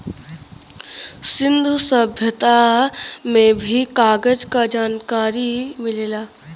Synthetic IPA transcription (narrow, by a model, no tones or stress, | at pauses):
sɪ̃nd̪ʱusəbʱjət̪a | mẽbʱikaːɡəd͡ʒkad͡ʒaːnkaːɾimɪleːlaː